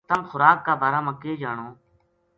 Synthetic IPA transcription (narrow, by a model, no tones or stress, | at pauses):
t̪əmxʊɾaːkːaːbʱaːɾaːməkeːd͡ʒaːɳoː